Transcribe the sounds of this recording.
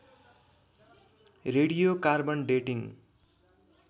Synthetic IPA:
reɽijokarbʌnɖeʈiŋ

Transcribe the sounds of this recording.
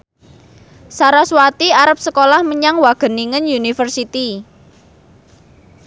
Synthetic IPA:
saɾaswat̪iaɾəp̚səkolahməɲaŋwaɡ̥ə̤niŋənjunifərsit̪i

